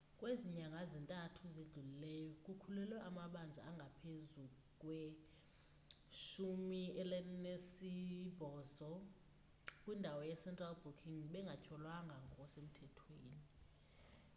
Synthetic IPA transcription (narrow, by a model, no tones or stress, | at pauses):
kʼweziɲaŋɡʱazintʼatʰuziɮulilɛjɔk̬ʼukʰulɛlwɛʔamaɓand͡zʱaaŋɡʱapʰezu | kʼwɛ | ʃumiɛlɛnesib̥ʱɔːzɔ | kʼwindʱawɔjɛsɛntʼralbukʰiŋɓɛŋɡʱacʰɔlwaŋɡʱaŋɔɔsem̩tʰɛtʰweːni